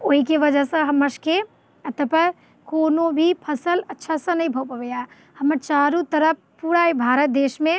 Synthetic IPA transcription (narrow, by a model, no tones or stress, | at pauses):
oːɦikeʋəd͡ʒəsə̃ɦəməɾske | ət̪əpəɾ | konobʱipʰəsələtːʃʰasə̃nəĩbʱəpəʋeja | həməɾt͡ʃaɾũt̪əɾəp̚ʰpuɽaibʱaɾət̪̚d̪eːʃmẽ